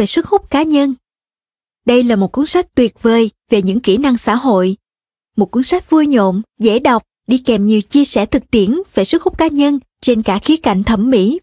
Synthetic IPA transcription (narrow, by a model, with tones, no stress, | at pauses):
ve˨˩swɨ˦˥t̚hʊ˦˥k͡p̚kaː˨˦ɲə˧n | ɗə˧jlaː˨˩mo˨˩t̚ku˨˦ənsa˦˥k̚t̪wi˨˩ət̚vəː˨˩jve˨˩ɲɨ̰˧˥ŋki˧˩na˧ŋsa̰ː˧˥ɦo̰˧˨j | mo˨˩t̚ku˨˦nsa˦˥k̟̚vu˧jɲo̰˧˨mzḛ˧˥ɗa˨˩wk͡p̚ | ɗi˧kɛ˨˩mɲi˨˩əwt͡ɕi˧əsɛ˧˩t̪ʰɨ˨˩k̚t̪i˧˩ənve˨˩swɨ˦˥t̚hu˦˥k͡p̚kaː˨˦ɲə˧n | t͡ɕe˧nkaː˧˩xi˨˦əka̰˧˩˨jŋ̟t̪ʰə˧˩mːḭ˧˥